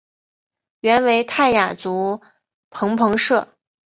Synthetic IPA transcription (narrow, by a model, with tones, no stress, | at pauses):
ɥɛ˧˥nwe˧˥ɪt̪ʰa˥˩ɪja˨˩t͡su˧˥ | pʰɤ˧˥ŋpʰɤ˧˥ŋʂɤ˥˩